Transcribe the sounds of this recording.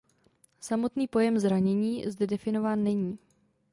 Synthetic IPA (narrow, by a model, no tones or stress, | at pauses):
samo̞t̪niːpo̞jɛmzɾaɲɛɲiːzdɛdɛfɪno̞vaːnːɛɲiː